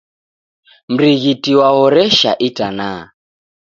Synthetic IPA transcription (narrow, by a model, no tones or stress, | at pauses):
m̩ɾiɣitʼiwaɣɔɾɛʃa̰ʔitʼanaː